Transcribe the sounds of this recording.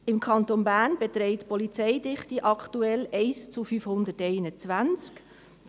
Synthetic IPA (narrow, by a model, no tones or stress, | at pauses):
ɪmkʰɑntonbæːnbɛt̪ɾɛɪtpɔlit͡sɛɪdɪχtiʔɑktuɛlɛɪst͡sufyfhʊnd̪ətɛɪnət͡sʋaænt͡sk